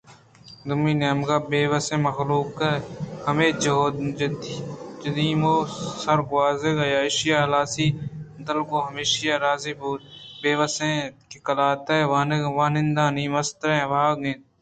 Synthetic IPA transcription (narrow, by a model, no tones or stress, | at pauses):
d̪ʊmːiːnemɡaːbeːʋəsẽːmɐxluːkahɐmeːd͡ʒɦoːd͡ʒd̪d͡ʒɐd̪iːmoːsɐɾɡʊaːzeɡɐjaːɪʃɪjaːɦɐlaːsiːd̪əlkoːɦɐmeːʃjaːɾaːziːbuːt̪beːʋəsẽkekɐlaːt̪aʋaːnʋaːnɪ̃nd̪ãːniːmɐst̪ɾẽʋaːɡẽːn